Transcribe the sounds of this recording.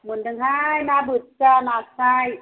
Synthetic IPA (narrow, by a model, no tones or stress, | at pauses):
mundaŋɦajnaːbɯt̪̚t͡ɕanaːsaj